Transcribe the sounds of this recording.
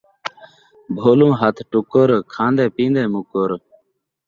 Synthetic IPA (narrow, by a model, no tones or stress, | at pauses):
bʱoːlũːɦɐt̪ʰʈukːoɾkʰãːnd̪eːpĩːnd̪eːmukːoɾ